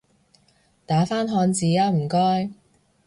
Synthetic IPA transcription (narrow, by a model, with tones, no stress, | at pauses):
t̪aː˨˥faː˥nɦɔː˧nt͡siː˨jaː˧m̩˨˩kɔː˥j